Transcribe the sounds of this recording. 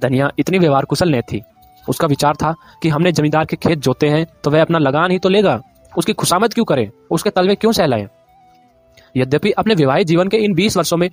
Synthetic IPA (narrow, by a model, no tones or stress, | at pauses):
d̪ʱənijaʔɪt̪niʋeʋaːɾkʊsəlnɐĩt̪ʰḭː | ʊskaʋɪt͡ʃaːɾt̪ʰa | kiɦɐmned͡ʒɐmĩːd̪aːɾkekʰeːt̪̚d͡ʒoːt̪eɦɛ̃t̪oʋɛɐpnalɐɡaːnɦit̪oleːɡaː | ʊskikʰʊʃaːmət̪̚kjũːkɐɾḛ̃ː | ʊsket̪ɐlʋẽkjõːsɛːla̰ːḛ̃ː | jɐd̪jəpiʔɐpneʋɪʋaːɦid͡ʒiːʋənkeɪnbiːsʋɐɾʃõmẽ